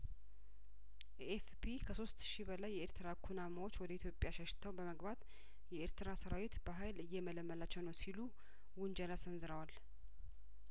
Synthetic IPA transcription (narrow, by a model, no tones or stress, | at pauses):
ʔefpʰikʰəso̞st̪ʃibəlajːɛeɾt̪ʰɨɾakʰunamawo̞t͡ʃːwɔd̪əit̪ʰjo̞pʼjaʃəʃt̪ʰəwbəməɡbat̪ | jɛeɾt̪ʰɨɾasəɾawɪt̪bəɦajlɨjːɛmələmːəlat͡ʃːɛwnəwsilu | wʊnd͡ʒəlasənzɨɾəwal